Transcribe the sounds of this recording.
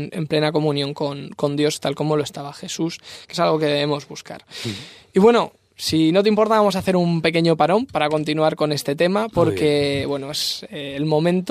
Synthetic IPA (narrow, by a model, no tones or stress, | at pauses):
ne̞̰mple̞nako̞mũnjo̞ŋko̞nko̞nd̪jo̞st̪alko̞mo̞loest̪aβaxe̞suskesalɣ̞o̞ke̞ðe̞βemo̞zβuska̰ɾ | iβwe̞no̞ | sino̞t̪eimpo̞ɾt̪aβamo̞saθe̞ɾumpe̞ke̞ɲo̞paɾõ̞mpaɾako̞nt̪̬inuaɾko̞ne̞st̪e̞t̪e̞mapo̞ɾke̞βwe̞noeseːlmõ̞mẽnt̪